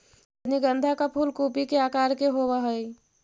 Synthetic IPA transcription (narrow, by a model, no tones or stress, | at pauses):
niɡə̃nd̪ʱakapʰulkuːpikeaːkaːɾkeɦowaɦəi